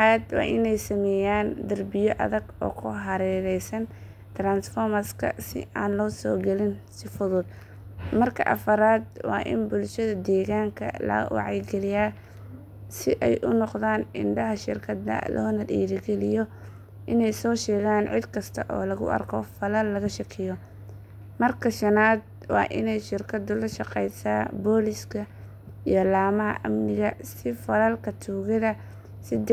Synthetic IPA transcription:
ad̪wɑ̰ːʔɪnɛjsɐmɛːjaːnd̪ɐrbɪjɔʔɐ̰ðɐɡɔ̰ːkʰʊɦɐɾɛːɾɛjsɐn | t̪ʰɾaːnsfɔːrmɐskʰɐ̰sɪ̰aːnlɔːsɔːɡɛlɪnsɪfʊðʊd̪̚ | mɐrkʰɐʔɐfɐɾaːd̪̚wɑ̰ːʔɪ̰nbʊlʃɐðɐd̪ɛːɣaːŋkʰɐ̰lɐ̰wɑ̰ʕɑjɡɛlɪjaː | sɪʔɛjʔʊnɔqðaːnɪnɖɐɦɐʃɪrkʰɐd̪ɐ̰lɔːnɐd̪ḭːɾɪɡɛlɪjɔ | ʔɪnɛjsɔːʃɛːɣaːnʕɪd̪kʰɐst̪ʰɐ̰ʔɔːlɐɣʊ̰ʔɐ̰rkʰɔfɐlɐlːɐɣɐʃɐkʰɪjɔ | mɐrkʰɐʃɐnaːd̪̚ | wɑ̰ːʔɪ̰nɛjʃɪrkʰɐd̪ʊlɐʃɑqɛjsaːbɔːlɪskʰɐ | ijlaːmɐɦɐ̰ʔɐmnɪɣɐsɪfɐlɐlkʰɐt̪ʰuːɣɐðɐ | sɪd

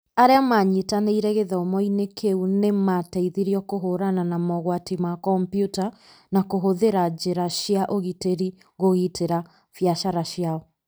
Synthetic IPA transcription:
aɾeamaɲetaneiɾɛɣeðɛɔmɔinekʰeunematɛiðiɾiɔkoɦoɾananamɔɣwatimakɔmpjuta | nakoɦoðeɾad͡ʑeɾaʃjaʔoɣiteɾi | ɣoɣitʰeɾa | fjaʃaɾaʃjaɔ

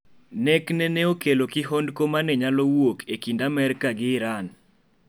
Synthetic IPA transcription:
nɛknɛneokelokɪɦondkomanɛɲalowwokekindamɛɾɪkaɡɪːɾan

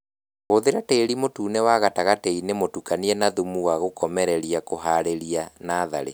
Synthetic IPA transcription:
ɣoðeɾateeɾimotuːnewaɣataɣatɛinemotukaniɛnaðumuwaɣokɔmɛɾɛɾiakoɦaɾeɾianaːða̰ɾḛ

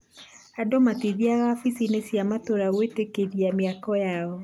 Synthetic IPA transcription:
adomatiðiaɣafisinesjamatoɾaɣwetekeðiameakɔjaɔ

